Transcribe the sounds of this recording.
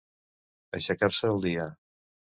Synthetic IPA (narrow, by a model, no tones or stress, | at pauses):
ə̰ʃəkaɾsəːlˠd̪iə